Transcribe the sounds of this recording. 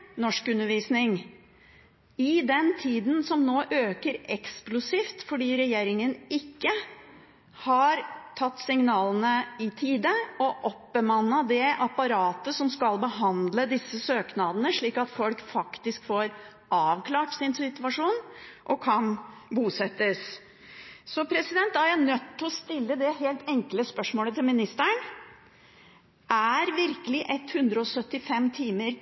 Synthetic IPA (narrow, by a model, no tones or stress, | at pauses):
nɔʂkʉnːəɾʋiːsnɪŋ | ɪd̪ɛnt̪ʰiːd̪n̩sɔmnoːʔøːkəɾɛksklʊsiːft̪fɔɖiːɾɛjeːɾɪŋənɪkːə | hɑɾt̪ʰɑt̪ːsɪŋnɑːlənəɪt̪ʰiːd̪əɔʔɔpːbəmɑnːəd̪ɛʔɑpɑɾɑːt̪əsɔmskɑlbəɦɑnd̪ləd̪ɪsːəsøːknɑːd̪ənəʂɭiːkɑt̪fɔlkfɑkt̪ɪskfoːɾ | ʔɑːʋkʰlɑːʈsɪnsɪt̪ʉʋɑʂuːnʔɔkʰɑnbuːsɛt̪ːəs | sɔpʰɾɛsɪd̪ɛnt̪̚d̪ɑjæɳœt̪ʰːɔst̪ɪlːəd̪ɛɦeːlt̪ʰɛŋkləspœʂmoːlət̪ʰɪlmɪnɪst̪əɳ | ʔæɾʋɪɾkəlɪʔɛt̪ːhʉnd̪ɾəɔsœt̪ːɪfɛmt̪ʰiːməɾ